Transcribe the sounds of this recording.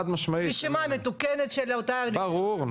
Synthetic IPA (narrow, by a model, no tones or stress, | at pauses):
ad̪maʃmɐiʃimamet̪ukenet̪ʃelaot̪anbaʁuʁn